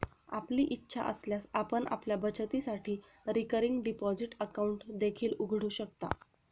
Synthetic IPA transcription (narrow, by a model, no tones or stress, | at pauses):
apliːʔitːɕʰa̰ʔəsljasapəɳʔa̰pljabət͡ɕət̪isaʈʰiː | ɾikəɾiŋɡɖipɔd͡ziʈəkauɳʈd̪ekʰiːluɡʱɽ̤uːɕək̚t̪a̰